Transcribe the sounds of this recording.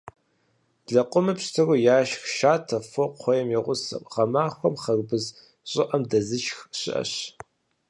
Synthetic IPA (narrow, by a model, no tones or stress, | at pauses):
ɮɐqʷʼʊmɨpstʰɨrujaːʃxʃaːtʰɐfoqʷʰɔjɛmjɛʁʷʊsɨ̰qʁɐmaːxʷɔmχɐrbɨz | ɕʼɪʔɐmdɐzɨʃxɕɪ̰ʔɐ̰ɕ